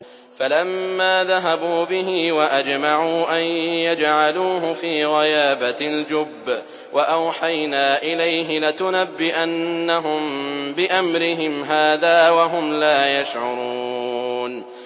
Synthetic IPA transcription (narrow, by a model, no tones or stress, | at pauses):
falamːaːðaɦabuːbɪɦɪwaʔad͡ʒmaʕuːʔanjad͡ʒʕaluːɦʊfiːɣɑjaːbald͡ʒʊbː | waʔawħajnaːʔɪlajɦɪlɪt̪ʊnabːɪʔanːaɦʊmbɪʔamɾɪɦɪmɦaːðaːwaɦʊmlaːjaʃʕʊɾˤuːn